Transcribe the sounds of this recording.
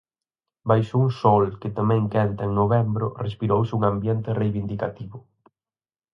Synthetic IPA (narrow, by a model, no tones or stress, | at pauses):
bajʃouŋsɔlkɪt̪amɛ̃ŋkɛnt̪ɐeŋnoβɛmbɾʊ̰respiɾowsɪuŋambjɛnt̪ɪrejβind̪ikat̪iβʊ